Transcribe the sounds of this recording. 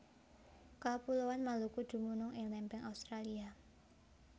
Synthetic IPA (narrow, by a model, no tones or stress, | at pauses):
kapulowanmalukud̪̥ṳmunʊŋɪŋlɛmpɛŋʔaust̪ɾalia